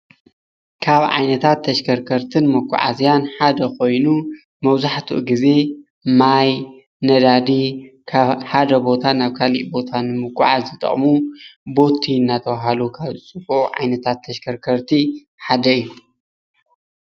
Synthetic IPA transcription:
kʰaβʕa̰jnɐt̪ʰat̪ʰːɐʃkʰɐɾkʰɐɾt̪ʰɨnmɐkʰʷʼːʊ̰ʕa̰zijanħad̪ɐko̞jnu | mɐβzaħt̪ʰṵʔɡize̞ | maj | nɐd̪ad̪ikʰaħad̪ɐbo̞t̪ʰanaβkʰalḭʔbo̞t̪ʰanɨmɨkʼːʊ̰ʕazɨt̪ʼɐ̰χʼmubo̞t̪ʰinːat̪ʰɐβaɦalukʰaβzɨt͡sʼɨfoʕa̰jnɐt̪ʰat̪ʰːɐʃkʰɐɾkʰɐɾt̪ʰi | ħad̪ɐjːu

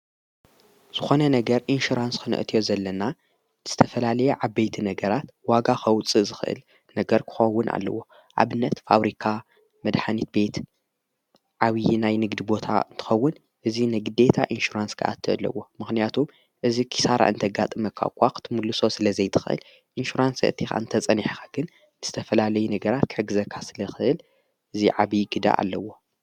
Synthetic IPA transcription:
z̥ɨxo̞nɐnɐɡɐɾʔinʃuɾanskʰɨnɨ̰ʔɨt̪ʰijo̞zɐlːɐna | z̥ɨt̪ʰɐfɐlalɐjeʕaβbejt̪ʰinɐɡɐɾat̪waɡaxɐwt͡sʼɨzɨxʔɨ̰l | nɐɡɐɾkʰɨ̥xɐwːʊnʔa̰lːɐ̰wo̞ | ʕa̰βɨnːɐt̪fa̰βɾikʰa | mɐd̪ħanit̪̚be̞t̪ | ʕaβijnajnɨɡd̪ibo̞t̪ʰa̰ɨnt̪ʰɨ̥xɐwːʊn | ʔɨzinɨɡɨd̪e̞t̪ʰa̰ʔinʃuɾanskʰa̰ʔa̰t̪ʰːɨʔlːɐ̰wo̞mɨxnijat̪ʰum | ʔɨzikʰi̥saɾa̰ʔɨnt̪ʰɐɡat̪ʼɨmɐkʰːa̰kʰʷːakʰɨ̥t̪ʰɨmulːɨso̞sɨlɐzɐjt̪ʰɨ̥xɨʔɨ̰l | ʔinʃuɾansɐ̰ɨt̪ʰixa̰ɨnt̪ʰɐt͡sʼɐniħxḁɡ̥ɨn | z̥ɨt̪ʰɐfɐlalɐjunɐɡɐɾat̪̚kʰɨħɨɡɨzɐkʰːasɨlɐxɨʔɨl | ʔɨziʕaβiɡɨd̪a̰ʔa̰lːɐwo̞

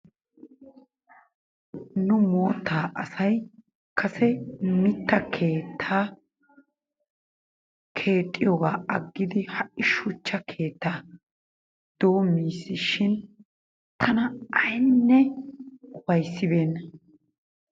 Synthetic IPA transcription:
nʊmo̞ːt̪ːaːʔɐsɐj | kʰɐsɛmɪt̪ːɐkʰe̞ːt̪ʰːaː | kʰe̞ːt̪ʼːɪjoːɡaːɐɡːɪd̪ɪhɐʔɪʃʊt͡ʃːɐkʰe̞ːt̪ːaː | d̪̥o̞ːmːiːsɪʃɪn | t̪ʰɐnɐɐjnːɛ | wɐjsːɪbe̞ːnːɐ

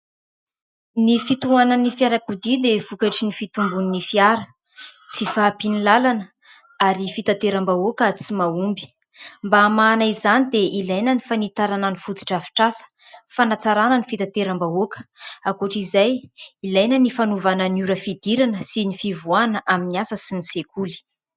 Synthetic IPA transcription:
nifit̪uanənifjaɾakud̪id̪evukaʈ͡ʂinifit̪umbuninifiaɾə | t͡sifapinilalanə | aɾifit̪at̪eɾambaokət͡simaumbi̥ | mbaːmanaizanid̪eʔilajnənifanit̪aɾananifud̪i̥ʈ͡ʂafi̥ʈ͡ʂasə̥ | fanat͡saɾanənifit̪at̪eɾambaokə̥akuʈ͡ʂizajilajnənifanuvananuɾəfid̪iɾanəsinifivuanəʔaminiasəsinisekuli̥

